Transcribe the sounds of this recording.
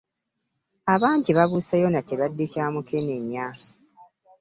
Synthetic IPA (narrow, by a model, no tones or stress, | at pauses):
aβaːɲɟiβaβusajo̞nacilwadːecaːmukʰe̞ne̞ɲːa